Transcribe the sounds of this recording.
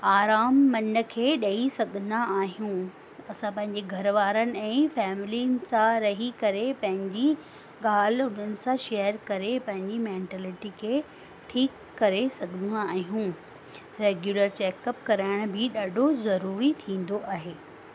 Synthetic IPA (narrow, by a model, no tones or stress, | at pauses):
aːɾaːmːɐnə̆kʰeːɗɐisɐɡʱə̃nd̪aaːɦijũ | ɐsãpɐ̃ɦɪ̃ɲd͡ʑeɡʱɐɾʋaːɾənɪ̆ɛ̃ːfɛːmɪlinɪ̆sãɾɐɦikɐɾepɐ̃ɦɪ̃ɲd͡ʑi | ɠaːl̤ʊn̤ənɪ̆sãʃejəɾkɐɾepɐ̃ɦɪ̃ɲd͡ʑimẽːɳʈɛːlɪʈikʰeː | ʈʰiːkːɐɾesɐɡʱə̃naːɦijũ | ɾeːɡjuləɾt͡ɕeːkəpkɐɾaɪɽ̃bɪɗaːɖʱozɐɾuːɾit̪ʰĩːnd̪oʔaːɦeː